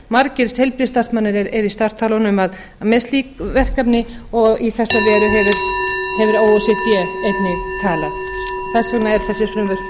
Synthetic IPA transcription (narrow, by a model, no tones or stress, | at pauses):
maɾcɪɾshejlpɾist̪ḁsmanːɪɾɛɾɛɾist̪ar̥t̪ʰaːlɔnʏmað | mɛst̪liːkvɛr̥kapnɪɔɣiθɛsːavɛːɾʏɦɛvɪɾ̥hɛvʏɾoːwɔsɛt̪jɛejt̪nɪt̪ʰaːlaɣθɛsɔnaɛɾ̥θɛsːɪɾ̥fɾʏmvʏɾ̥